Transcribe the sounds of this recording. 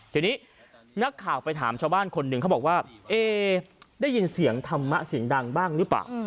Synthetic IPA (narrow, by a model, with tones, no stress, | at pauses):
t̪i˨˩niː˦˥ | na˦˥kʰːaː˨˩wpa˧jt̪ʰaː˩˦mt͡ɕʰaː˧wbaː˥˩nkʰo˧nːɯ˧kʰa˥˩bɔː˨˩k̚waː˥˩ʔeː˧˩daː˥˩jːi˧nsi˨˩˦əŋt̪ʰa˧mːa˦˥ʔsi˨˩˦əŋda˧ŋbaː˥˩ŋɾɯ˦˥pla̰ː˨˩w